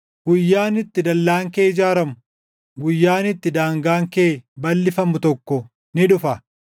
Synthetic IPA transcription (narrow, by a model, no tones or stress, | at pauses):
ɡʊjːaːnɪt̪ːɪd̪ɐlːaːŋkeːɪd͡ʒaːɾɐmʊ | ɡʊjːaːnɪt̪ːɪd̪aːŋɡaːŋkeːbɐlːɪfɐmʊt̪ɔkːɔ | nɪᶑʊfɐ